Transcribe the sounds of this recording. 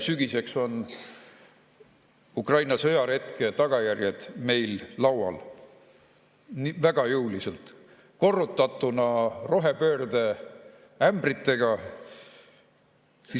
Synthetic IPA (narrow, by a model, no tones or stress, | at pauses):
syɡ̥ise̞kso̞n | ukrɑjnɑsɤ̞jɑɾe̞t̪ke̞t̪ɑɡ̥ɑjærjed̪̥me̞jllɑwɑ̰l | nivæɡ̥ɑjɯuwliselt̪ | ko̞rːut̪ːˑɑt̪ːˑunɑro̞ɦe̞pø̞ːrd̪e̞ | æmb̥rit̪ˑːe̞ɡ̥ɑ | si